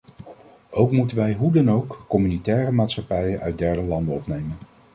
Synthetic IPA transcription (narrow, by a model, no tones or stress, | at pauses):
ʔowkmutənʋɛjɦudɑnowkːɔmynitɛːrəmaːtsχɑpɛjənʔœ̰ɥt̚dɛɹdəlɑndənɔpnejmən